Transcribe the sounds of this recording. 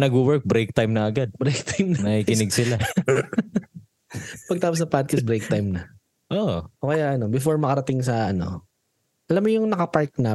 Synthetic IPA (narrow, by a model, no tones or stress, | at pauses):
nɐɡuwɛɹk̚bɾɛjk̚t̪ajmnɐɐɡad̪̚bɾejk̚t̪ʰajmnnɐhikɪnɪɡsɪla | pɐɡ̚t̪aːpos̬ɐpad̪̚kɐs̬bɾejk̚t̪ajmnɐ | ʔoʔokɐjaʔɐno̞bɪfoɹmɐkɐɾɐt̪ɪŋs̬ɐʔɐno̞̰ | ʔɐlamːojʊŋnɐkɐpaɹk̪̚na